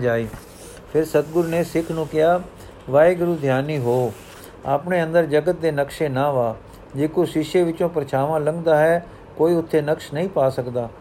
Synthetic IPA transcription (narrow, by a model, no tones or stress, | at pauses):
d͡ʒaːiː | pʰɪɾsət̪̚ɡʊɾneːsɪkʰnũːkɪjaː | ʋaːeːɡʊɾuːd̪ʱjaːniːɦoː | a̰ːpneːə̃nd̪əɾd͡ʒəɡət̪̚d̪eːnəkʃeːnãːʋaː | d͡ʒeːkoʃɪʃeːʋɪt͡ʃõːpɾət͡ʃʰaːʋãːləŋɡd̪aːɦɛː | koːiːʊt̪ʰːeːnəkʃnəɦĩːpaːsəkd̪aː